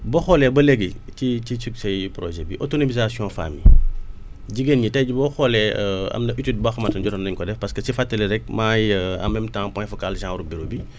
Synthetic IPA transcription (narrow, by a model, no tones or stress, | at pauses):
bɔxɔlɛbɐleɡicicisuksɐjpɾɔ̰ʒɛbiʔɔtonomizasijɔ̃ːfa̰ːmḭ | ɟiɡenɲitɐjɟbɔxɔlɛɐ̰mdɐʔitid̚bɐxɐmɐtɐnɟɔtɔndɐɲkɔdɛfpɐskəsifatːəlɛɾɛk̚maːjɐ̰mɛmtãːpɔ̃jfɔkalʒãːɾuk̚biɾobi